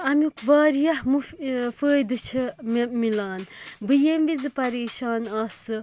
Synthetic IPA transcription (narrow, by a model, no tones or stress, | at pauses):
ɐmukʰʋaːɾijɐhmufəːjd̪ɨt͡ʃʰɨmmilaːnbɨjembizɨpɐɾeːʃaːnaːsɨ